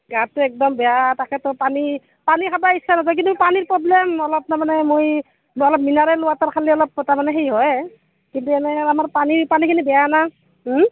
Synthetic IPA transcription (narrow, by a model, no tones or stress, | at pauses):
ɡat̚tɛɛk̚dɔmbɛjatakɛtʊpani | panikʰabaisːanasɔk̬intupaniɹpɹɔblɛmɔlɔp̚namanɛmoj | ɔlɔp̚minaɹɛlʊwataɹkʰaliɔlɔp̚taɹmanɛɦejɦɔj | kintuɛnɛamaɹpanipanikʰinibɛjana